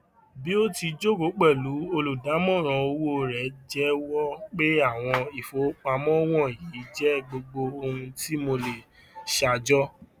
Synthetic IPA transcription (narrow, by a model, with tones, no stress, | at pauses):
bi˦o˦ti˧d͡ʒo˦˨ɡo˨˦k͡pɛ˦˨lu˨˦o˧lu˨da˨˦mɔ̃˦˨ɾ̃ɔ̃˧o˧wo˦˨ɾɛ˨d͡ʒɛ˦wɔ˦k͡pe˦a˦˨w̃ɔ̃˧i˨fo˨˦k͡pa˧mɔ̃˦w̃ɔ̃˦˨ji˨˦d͡ʒɛ˦ɡ͡bo˧ɡ͡bo˧o˧hũ˧ti˦mo˧le˨ | ʃa˧˨d͡ʒɔ˦